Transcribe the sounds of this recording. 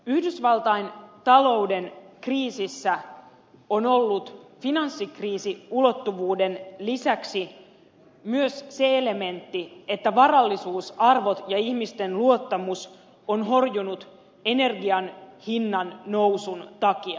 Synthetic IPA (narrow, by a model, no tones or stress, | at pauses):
yhdysʋɑlˠt̪ɑint̪ɑlo̞wde̞nkriːsisːæ | ono̞lːut̪finɑnsːikriːsiulo̞t̪ːuʋuːde̞nlisæksi | myøsse̞ele̞me̞nt̪ːiet̪ːæʋɑrɑlːisuːsɑrʋo̞t̪jɑiçmist̪e̞nluo̞t̪ːɑmus | onɦo̞rjunut̪ | e̞ne̞rɡiɑnhinːɑnːo̞wsunt̪ɑkiɑ